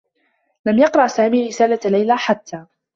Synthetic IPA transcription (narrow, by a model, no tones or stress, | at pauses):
lamjɑqɾˤɑʔsaːmiːɾɪsaːlalajlaːħat̪ʰːaː